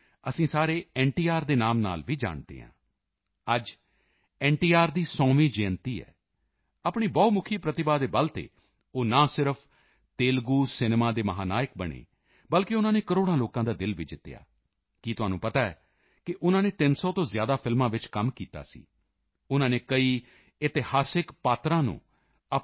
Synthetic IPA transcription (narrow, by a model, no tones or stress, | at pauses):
əsĩːsaːɾeːɛ̃ːɳʈiːaːɾd̪eːnaːmna̰ːlʋiːd͡ʒa̰ːɳd̪ḛːɦã̰ː | əd͡ʒ | ɛ̃ːɳʈiːaːɾd̪iːsɔːmiːd͡ʒẽːnt̪iːɛ̰ː | apɳiːbɔːt̪mʊkʰiːpɾət̪ɪbaːd̪eːbəlt̪ḛː | oːnãːsɪɾəpʰ | t̪eːlɡuːsɪneːmaːd̪eːməɦaːnaːjɪk̚bəɽ̃ḛː | bəlkeʊnãːneːkəɾoːɽãːloːkãːd̪aːd̪ɪlʋid͡ʒɪt̪ːja̰ː | kiːt̪ʊɦãːnũːpət̪aːɛ̰ː | kɪʔʊnãːneːt̪ɪnsɔːt̪õːzɪjaːd̪aːpʰɪlmãːʋɪt͡ʃkəmkiːt̪a̰ːsḭː | ʊnãːneːkəiː | ɪt̪ɪhaːsɪkpaːt̪ɾãːnṵ̃ː | ə